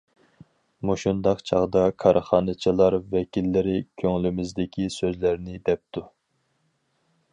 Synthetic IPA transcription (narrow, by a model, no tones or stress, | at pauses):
moʃund̪ɑqt͡ʃʰɑ̰ʁd̪ɑkʰɑɾʔχɑːnɨt͡ʃʰilˠɑɾvɛkʲilːɪɾɪkʲʰøŋlymɪzd̪ɪkʲʰisøzlæɾnɪd̪ɛp̚t̪ʰu